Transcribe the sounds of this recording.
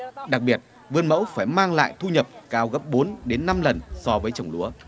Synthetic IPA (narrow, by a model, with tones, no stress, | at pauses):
ɗa˨˩k̚ɓi˨˩ət̚ | vɨ˧ənmə̰˧˥wfaː˧˩jmaː˧ŋla̰ː˧˨jt̪ʰu˧ɲə˨˩p̚kaː˨˦wɣə˦˥p̚ɓo˨˦nɗe˨˦nːa˧mlə˨˩nsɔ˧vəː˨˦jt͡ɕə˨˩wŋ͡mlu˨˦ə